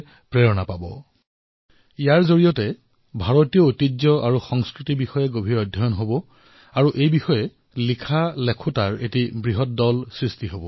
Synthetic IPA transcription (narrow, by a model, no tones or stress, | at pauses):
pɹɛɹɔnapabɔ̰ | ijaɹzoɹijɔtɛ | bʱaɹotijɔotid͡ʒjɔaɹuxɔŋskɹitibixɔjɛɡobʱiɹɔdʱːɔjɔnɦobɔ | aɹuʔejbixɔjɛ | likʰalekʰutaɹetibɹiɦɔt̚dɔlsɹistiɦobɔ